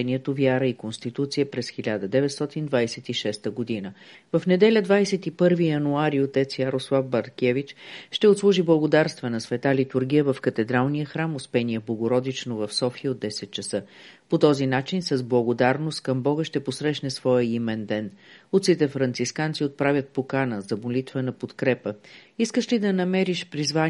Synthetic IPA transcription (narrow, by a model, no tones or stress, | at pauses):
ɛniɛt̪ovjaɾəikonst̪it̪ut̪sijəpɾɛsxilʲad̪əd̪ɛvɛt̪st̪ɔt̪ind̪vajsɛt̪iʃɛst̪əɡod̪inə | vɐfnɛd̪ɛlʲəd̪vajsɛt̪ipɤɾvijɐnuaɾiot̪ɛt̪sjəɾoslˠafbɐɾkʲɛvit͡ʃʃt̪ɛot̪slˠuʒiblˠəɡod̪aɾst̪vənɐsvɛt̪alit̪uɾɡʲijəvɐfkət̪ɛd̪ɾalˠnijəxɾamospɛniəblˠəɡoɾɔd̪it͡ʃnovɐfsɔfiəod̪ːɛsɛt̪̚t͡ʃɐsɤpot̪ɔzinat͡ʃinsɐzblˠɐɡod̪aɾnost̪̚kəmbɔɡəʃt̪ɛposɾɛʃnɛsvɔjəimɛnd̪ɛnut̪sit̪ɛfɾɐnt̪siskant̪siot̪̚pɾavʲət̪̚pokanəzɐbolit̪vənɐpot̪kɾɛpəiskəʃlid̪ɐnɐmɛɾiʃpɾizva